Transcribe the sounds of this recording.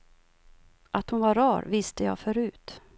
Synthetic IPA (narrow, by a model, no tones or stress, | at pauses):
ʔat̪hʊnvaɾɑːɾvɪst̪əjɑ̰ːfœɾʉ̟ːt̪